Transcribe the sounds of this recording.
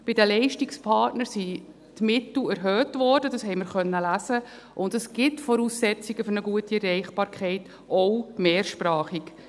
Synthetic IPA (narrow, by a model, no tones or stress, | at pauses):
b̥ɪdəlɛɪʃtikspʰɑːtnəɾsi | tmɪtl̩æɾɦøːtvɔɾdədɑsɦɛɪməɾχœnːəlæzə | ʔʊndəsɡ̥ɪtfɔɾuːsːɛt͡siɡəfʏɾnəɡuətiɛrːɛɪχb̥ɑːɾkʰχɛɪt | ɔwmeːɾʃprɑːχik